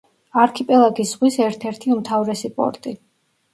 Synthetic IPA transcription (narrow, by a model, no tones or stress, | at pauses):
aɾkʰipʼɛlˠaɡisʁwisɛɾt̪ʰɛɾt̪ʰiumt̪ʰavɾɛsipʼɔ̰ɾt̪ʼi